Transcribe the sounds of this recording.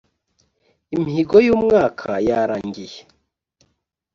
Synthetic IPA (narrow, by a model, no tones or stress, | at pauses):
imiiɡojuːmŋaːkʰajaɾaːɲɡije